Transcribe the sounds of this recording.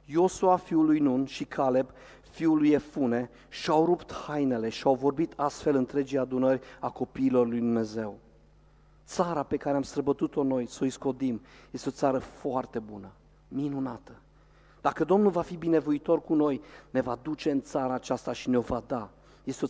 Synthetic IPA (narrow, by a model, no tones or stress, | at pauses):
jo̞suafiulujnunʃikʰale̞b | fiulujefune̞ | ʃiawɾupt̪hajne̞le̞ʃiawvo̞rbit̪ʰast̪fe̞lɨnt̪ɾe̞d͡ʒijad̪unərʲako̞piːlo̞rlujd̪umne̞ze̞w | t̪saɾape̞kaɾeamst̪ɾəbət̪ut̪o̞no̞jso̞isko̞d̪imje̞st̪eo̞t̪saɾəfoart̪e̞bunə | minunat̪ə | d̪̥akəd̪o̞mnulvafibine̞voit̪o̞rkuno̞jne̞vad̪ut͡ʃe̞ɨnt̪saɾaːt͡ʃast̪aʃineo̞vad̪a | je̞st̪eo